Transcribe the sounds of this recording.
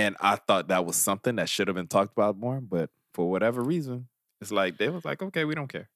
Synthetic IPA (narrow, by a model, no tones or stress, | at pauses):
ɨ̃na̰ɪθɔt̪̚ðɨt̚wʌz̥sʌ̃mθɪ̃ŋðɨtʃʊɾɨvbɨ̃ntʰɔk̚təbaʊt̚mɔɹ̃nbʌt̚ | fə˞wʌɾɛvə˞ɹizə̃n | ɨtslaɪk̚ðeɪwʌzla̰ɪkoʊkʰeɪwiɾõʊ̃nkʰɛɹ